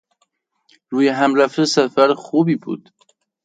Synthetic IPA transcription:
ɾujeɦamɾafəsafaɾxubibṵd̪̥

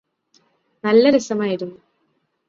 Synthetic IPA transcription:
nɐlːɐɾɨsɐmaːjiɾunːu

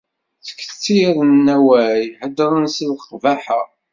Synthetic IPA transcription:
θə̥kːθt͡sːiɾənːæwæjħəd̪ɾˤənsəlqvæħa

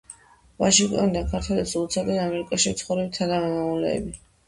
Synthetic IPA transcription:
vaʃiŋkʼt̪ʼɔnid̪akʰaɾt̪ʰwɛlisulˠt̪sʰad̪ʼɛamɛɾikʼaʃimt̪sʰχɔvɾɛbit̪ʰanamɛmavulɛ̰ːbi

